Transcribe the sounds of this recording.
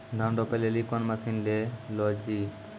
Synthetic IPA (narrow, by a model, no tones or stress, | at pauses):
d̪ʱãɳɖɔpelelikɔnmɐsinlelɔd͡ʒi